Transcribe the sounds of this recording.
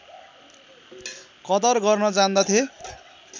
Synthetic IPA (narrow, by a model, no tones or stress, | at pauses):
kʌd̪ʌrɡʌrnʌd͡zãnd̪at̪ʰje